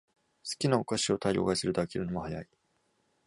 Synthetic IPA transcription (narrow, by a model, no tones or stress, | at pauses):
sɨ̥kʲinaokaɕio̞t̪ʰaio̰ɡaseɾɯd̪akʲeɾɯ̟nomohaja̰i